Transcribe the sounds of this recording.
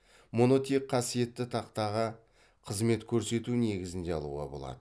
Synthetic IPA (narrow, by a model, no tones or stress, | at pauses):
mo̞no̞t̪iqqʰɑsije̞t̪ːɪt̪ʰɑqt̪ɑʁə | qʰəzme̞t̪kʲʰɵɾse̞t̪une̞ɡʲɪzɪnd̪e̞ɑ̰lˠṵʁɑ̰bolˠɑ̰d̪ə